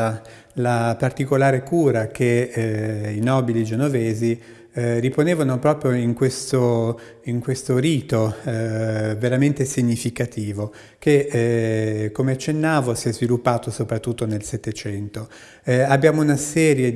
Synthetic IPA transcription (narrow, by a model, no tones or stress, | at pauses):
a | lapart̪ikolaːɾekuːɾak̟e | inɔːbilid͡ʒenoveːzi | riponeːvanopɾɔːpɾjoiŋkwest̪o | iŋkwest̪oɾiːt̪o | veɾament̪esiɲːifikat̪iːvo | ke | kːomeat͡ʃːenːaːvosiɛzvilupːaːt̪osopɾat̪ːut̪ːonelsɛt̪ːet͡ʃɛnt̪o | abːjaːmounasɛːɾje